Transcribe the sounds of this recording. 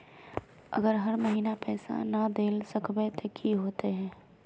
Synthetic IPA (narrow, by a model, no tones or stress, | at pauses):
ə̰ɡəɾɦɐɾməɦiːnapɛːsa̰nəd̪eːlsəkbet̪ekʰiɦoːt̪eɦɛ̃ː